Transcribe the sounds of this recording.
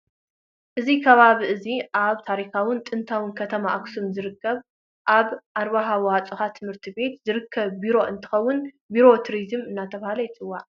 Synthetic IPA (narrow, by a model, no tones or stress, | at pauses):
ʔɨzikʰɐβaβiʔɨziʔaβt̪ʰaɾixawʊnt̪ʼɨnt̪ʰawɨnkʰɐt̪ʰɐmaʔaksumzɨɾɨkʰːɐβ | ʔaβʔaɾβaɦawat͡sʼɨxat̪ʰɨmhɨɾt̪ʰibe̞t̪zɨɾɨkʰːɐβːiɾo̞ʔɨnt̪ʰɨ̥xɐwːʊn | biɾo̞t̪ʰɾizɨmɨnːat̪ʰɐβahalɐjt͡sʼɨwːaʕʔ